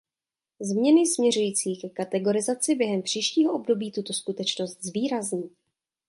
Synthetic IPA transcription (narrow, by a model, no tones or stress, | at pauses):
zmɲɛnɪsmɲɛrujiːt͡siːkɛkat̪ɛɡo̞ɾɪzat͡sɪbjɛɦɛmpr̥iːʃciːɦoʔo̞bdo̞biːt̪ut̪o̞skut̪ɛt͡ʃno̞st̪zviːɾazɲiː